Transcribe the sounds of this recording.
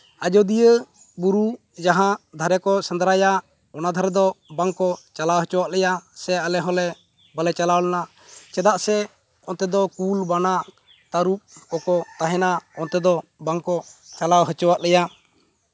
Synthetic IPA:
ad͡ʒɔd̪ijə | buɾu | d͡ʒaɦãd̪ʱaɾɛkɔsənd̪ɾaja | ɔnad̪ʱaɾɛd̪ɔbaŋkɔt͡ʃalawɦət͡ʃɔwaʔlɛjasɛalɛɦɔlɛ | bəlɛt͡ʃalawlɛna | t͡ʃɛd̪aʔsɛ | ɔnt̪ɛd̪ɔkulbana | t̪aɾup̚kɔkɔt̪aɦɛnaɔnt̪ɛd̪ɔbaŋkɔt͡ʃalawɦət͡ʃɔwaʔlɛja

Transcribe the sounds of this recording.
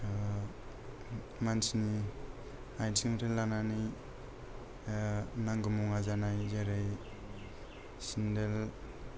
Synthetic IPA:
mansini | ajtʰiŋɾelːanani | naŋɡɯmuŋazanajzaɾej | sindel

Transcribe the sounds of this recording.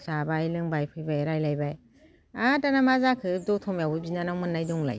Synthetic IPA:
sabajlɯŋbajpʰɯjbajɾajlajbaj | atanamazakʰɯdɔtʰɔmjawbɯbinanawmɯnːajdɔŋla̰j

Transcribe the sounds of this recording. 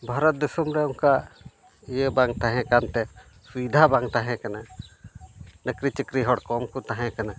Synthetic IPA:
bʱaɾɔt̪̚d̪isumɾɛʊŋka | ijəbaŋɡt̪aɦɛ̃kant̪ɛ | suid̪ʱabaŋt̪aɦɛ̃kana | nəkɾit͡ʃikɾiɦɔɽkɔmkut̪aɦɛ̃kana

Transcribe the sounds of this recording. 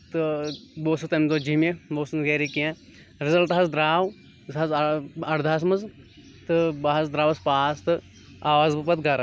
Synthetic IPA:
t̪ɨboːsɨt̪ɐmzoːd͡ʒimeboːsɨnɡeːɾikiã | ɾɪzɐlt̪ɦɐzd̪ɾaːw | zɐzɐɽd̪ʱaːs̬mɐz | t̪ɨbaɦɐzd̪ɾaːwɐspaːst̪ɨ | aːʋaːzbɨpɐt̪̚ɡɐɾa

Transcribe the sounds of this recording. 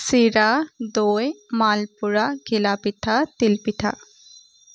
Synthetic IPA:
siɾad̪ojmalpuɹaɡʱilapit̪ʰat̪ilpit̪ʰa̰

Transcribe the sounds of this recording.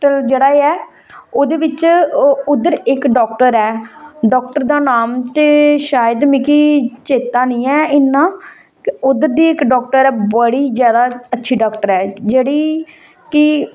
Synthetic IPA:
ʈəld͡ʒeːɽaːeːɛː | oːd̪eːʋɪt͡ʃʊd̪əɾɪkɖɔːk̚ʈəɾɛːɖɔːk̚ʈəɾd̪aːnaːmt̪eːʃaːjəd̪mɪkiːt͡ʃeːt̪aːnĩːɛːɪnːãː | ʊd̪əɾd̪iːɪkɖɔːk̚ʈəɾɛːbəɽiːzjaːd̪aːətːʃʰiːɖɔːkʈəɾɛːd͡ʒeːɽiː | kɪ

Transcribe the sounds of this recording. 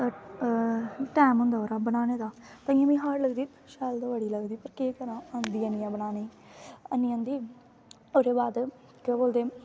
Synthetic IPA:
ʈɛːmɦʊ̃nd̪aːoːɾaːbənaːneːd̪aːt̪ə̃jãːmĩːɦaːɾləɡd̪iː | ʃɛːld̪aːʋəɽiːləɡd̪iːpəɾkeːkəɾãːãnd̪iːənijãːbənaːneː | ənːĩːãːnd̪iː | oːɾeːbaːd̪ | kõːboːld̪eː

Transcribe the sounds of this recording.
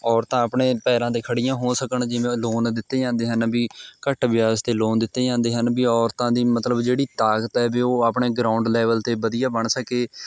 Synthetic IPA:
ɔːɾt̪ãːəpɳeːpɛːɾãːt̪eːkʰəɽijãːɦoːsəkəɳd͡ʒɪʋẽːloːnd̪ɪt̪ːeːd͡ʒãːnd̪eːɦənbiːkəʈʋɪjaːst̪eːloːnd̪ɪt̪ːeːd͡ʒãːnd̪eːɦənbiːɔːɾt̪ãːd̪iːmət̪ləbd͡ʒeːɽiːt̪aːkt̪ɛːbiːoːaːpɳeːɡɾaːʊɳɖlɛːʋəlt̪eːbəd̪ijaːbəɳsəkeː

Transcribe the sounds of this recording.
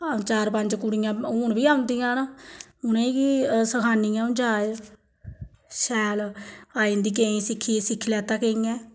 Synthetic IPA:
at͡ʃaːɾpəɲd͡ʒkʊɽijãːʊːɳbiːaːʊ̃nd̪ijãːnaʊneːkisəkʰaːniːjãːʊ̃nd͡ʒaːe | ʃɛːlaːĩːnd̪iːk̬eĩːsɪkʰːiːesɪkʰːlɛːt̪ãːkeːĩːɛ̃ː

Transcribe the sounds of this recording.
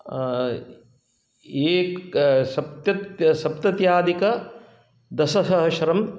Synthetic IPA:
eːksɐp̚t̪jɐt̪sɐpt̪ɐt̪jaːd̪ikɐ | d̪ɐsɐsɐɦɐʃɐɾɐm

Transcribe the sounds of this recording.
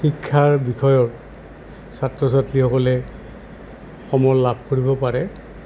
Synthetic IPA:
xikʰːaɹbixʰɔjɔɹ | satɹɔs̬atlixɔkɔlɛ | xɔmɔɹlabʱkoɹibɔpaɹɛ

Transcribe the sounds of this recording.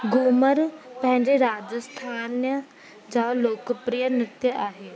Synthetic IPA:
ɡuːməɾpə̃ɦɪ̃ɲd͡ʒeɾaːd͡ʒəst̪ʰaːnjə | d͡ʒaːloːkəpɾijənɪt̪jəʔaːɦeː

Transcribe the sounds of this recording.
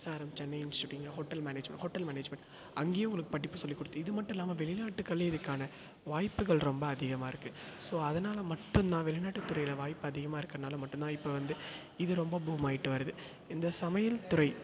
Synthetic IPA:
saːɾɐmt͡ʃɛnːɐɪɪnt͡ʃɯʈːɪŋɡɐɐɦɔʈːɐlmɛːneːd͡ʒmɛ̰ɳʈhɔʈːɐlmɛːneːd͡ʒmɛ̃ɳʈ | ɐŋɡeːjɐʊŋɡɐɭɯkːɯ̥pɐʈːɪpːɯsɔlːikːɔɽɯt̪ːɯɪðɯmɐʈːʊ̃ɛlːaːmɐʋɛɭɪnaːʈːɯkːɐɭːeɪðɯkːaːnɐ | ʋaːjpːɯɣɐɭɾɔmbɐːðɪɣɐmaːɪɾɯkːɯ | soːɐðɐnaːlɐmɐʈːɯmnãːʋɛɭɪnaːʈːɯt̪ːʊɾɐɪjɪlɐʋaːjpːɯɐðɪɣɐmaːɪɾɯkːɾɐnaːlɐmɐʈːɯnt̪ãːɪpːɐʋɐnd̪ɯ | ɪðɯɾɔmbɐbuːmaːjɪʈːɯʋɐɾɐðɯ | ɪnd̪ɐsɐmɐjɐlt̪ʊɾɐɪ

